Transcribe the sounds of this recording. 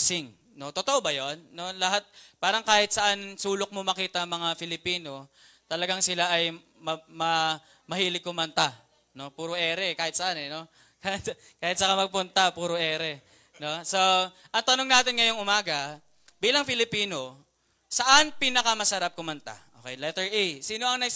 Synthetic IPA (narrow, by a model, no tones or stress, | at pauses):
sɪŋ | no̞t̪ot̪oʔobɐjo̞nːo̞lɐɦat̪̚paːɾɐŋkaːhɪt̪̚sɐʔansuːlok̚momɐkiːt̪ɐmɐŋafɪlɪpiːno̞ | t̪ɐlɐɡaŋsɪlaʔɐj | mɐmɐ | mɐhiːlɪɡkːʊmɐnt̪a | no̞puːɾoʔɛːɾɛkaːhɪt̪̚sɐʔanɛno̞ | kat | kaːhɪt̪̚sɐkamɐɡ̚pʊnt̪apuːɾoʔɛːɾɛ | no̞so | ʔɐŋt̪ɐnoŋnaːt̪ɪnŋɐjoŋʊmaːɡɐ | biːlɐŋfɪlɪpiːno̞ | sɐʔanpiːnɐkɐmɐsɐɾap̚kʊmɐnt̪a̰ʔoːkɛjlɛt̪ɛɹʔijsiːno̞ʔɐŋnɐɡ